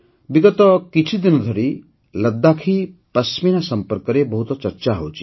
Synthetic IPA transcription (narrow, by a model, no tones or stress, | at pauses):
biɡɔt̪ɔkit͡ʃʰid̪inɔd̪ʱɔɾi | ləd̪ːakʰipɐsminasɐmpəɾkɔɾebɔɦut̪ɔt͡ʃɐɾt͡ʃaɦowt͡ʃʰi̥